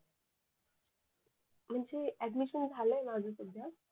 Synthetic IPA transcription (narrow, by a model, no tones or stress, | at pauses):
m̤əɳd͡zeæɖmiɕənd͡zʱaləemad͡zʱəsud̪ʱja